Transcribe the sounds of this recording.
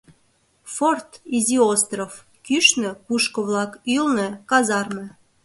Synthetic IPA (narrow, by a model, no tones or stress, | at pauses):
fort̪izʲiost̪rof | kyʃnø̆puʃkŏβlɑkylnĕkɑzɑrmĕ